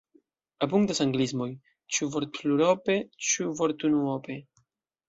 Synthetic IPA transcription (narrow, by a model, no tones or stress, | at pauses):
ap̬uŋktasaŋɡlizmo̞j | t͡ʃuvoɾttluɾope̞t͡ʃuvoɾt̪unuope